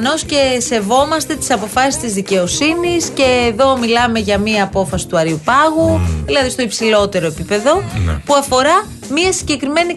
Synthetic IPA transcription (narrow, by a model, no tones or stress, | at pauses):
no̞sce̞se̞vo̞mɐst̪e̞t̪i̥sɐpo̞fɐsi̥st̪izðice̞o̞sinisce̞ːðo̞milɐme̞ʝɐmiɐːpo̞fɐsi̥t̪uɐɾiupɐɣuðilɐðist̪o̞ipsilo̞t̪e̞ɾo̞epipe̞ðo̞puɐfo̞ɾɐ | miɐsiɟe̞kɾime̞ni